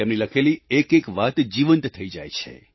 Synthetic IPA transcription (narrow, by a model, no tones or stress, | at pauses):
emniləkʰeliekekʋat̪d͡ʒiʋənt̪t̪ʰːəid͡ʒajt͡ʃʰḛ